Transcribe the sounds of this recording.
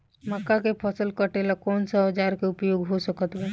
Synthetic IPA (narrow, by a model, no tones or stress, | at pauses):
məkːakepʰəsəlkəʈelakɔːnsaɦəd͡ʒaːɾkeʊpjoːɡɦosəkət̪bɛ